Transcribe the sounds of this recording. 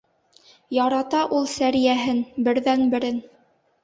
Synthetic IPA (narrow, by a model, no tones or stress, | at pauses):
jɑɾɑt̪ɑʔulˠsæɾijæɦɘnbɘ̆ɾðænbɘ̆ɾɘn